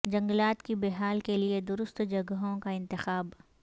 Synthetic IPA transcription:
d͡ʒɐ̃ŋɡlaːt̪kibeɦaːlkelied̪ʊɾʊst̪d͡ʒɐɡəɦõkaɪ̃nt̪ɪxaːb

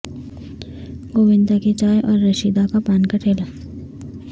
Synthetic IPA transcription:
ɡoːʋɪ̃nd̪aket͡ʃaːjʔɔːɾːɐʃiːd̪akapaːnkɐʈʰeːlaː

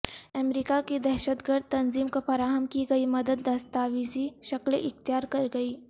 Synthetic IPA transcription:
ɐmɾiːkakid̪ɛːʃət̪ɡəɾd̪̚t̪ɐnziːmkafɐɾaːɦəmkiɡɐimɐd̪əd̪ːɐst̪aːʋisiʃɐklʔɪxt̪jaːɾkɐɾɡɐiː

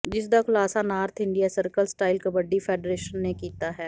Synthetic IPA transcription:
d͡ʒɪs̬d̪akʊlaːsanaːɾt̪ʰɪ̃ɳɖijasəɾkəlsʈaːɪlkəbəɖːifʰeːɖɾeːʃənːekiːt̪aɦɛː

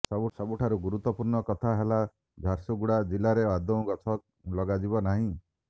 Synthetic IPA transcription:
sɔbusɔbuʈʰaɾuɡuɾut̪wɔpuɾɳɔkɔt̪ʰaɦela | d͡ʒʱaɾsuɡuɽad͡ʒilaɾead̪ɔ̃w̃ɡɔt̪ʰɔk̚ | lɔɡad͡ʒibɔnaɦĩ

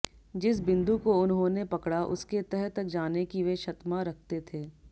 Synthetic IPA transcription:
d͡ʒɪs̬bɪ̃nd̪ukoʊnɦõnepɐkɽaʔʊ̰sket̪ɛɦɛt̪ːɐk̚d͡ʒaːnekiʋeʃɐt̪maɾɐk̚ʰt̪et̪ʰeː

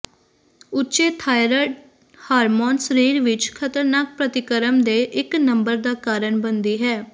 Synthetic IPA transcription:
ʊːt͡ʃeːt̪ʰaːɪɾəʈ | haːɾmoːnsəɾiːɾʋɪt͡ʃkʰət̪əɾnaːk̚pɾət̪ɪkəɾəmd̪eːʔɪknəmbəɾd̪aːkaːɾəɳbənd̪iːɦɛː

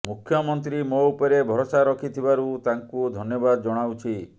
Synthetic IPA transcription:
mukʰjɔmɔnt̪ɾimoupɔɾebʱɔɾosaɾɔkʰit̪ʰibaɾut̪aŋkud̪ʱɔnjɔbad̪ɔd͡ʒɔɽ̃awt͡ʃʰi

